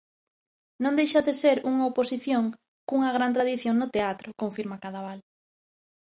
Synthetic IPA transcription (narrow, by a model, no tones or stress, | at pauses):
nõnd̪ejʃaðeseɾuŋaoposiθjoŋ | kuŋɐɣ̞ɾant̪̬ɾaðiθjoŋnʊt̪eat̪ɾʊkoɱfiɾmakaðaβal